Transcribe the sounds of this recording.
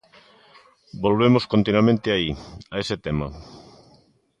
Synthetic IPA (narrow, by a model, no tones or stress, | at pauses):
bolβemoskont̪inwamẽnt̪ɪaiaesɪt̪ɛmɐ̰